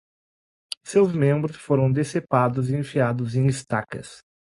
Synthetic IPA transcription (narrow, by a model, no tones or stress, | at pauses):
sewzmẽmbɾʊsfoɾɐ̃w̃d̪esepad̪ʊziẽfiad̪ʊzẽj̃ist̪akɐ̰s